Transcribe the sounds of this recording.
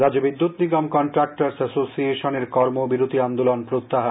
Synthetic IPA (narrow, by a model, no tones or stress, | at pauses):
ɾad͡ʑobid̪ːut̪niɡɔmkɔɳʈɾak̚ʈaɾsasosieʃoneɾkɔɾmobiɾot̪iand̪olonpɾot̪ːaɦa